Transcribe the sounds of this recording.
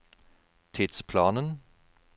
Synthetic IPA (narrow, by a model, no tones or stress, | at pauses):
t̪ʰɪd̪̥spʰlɑːnən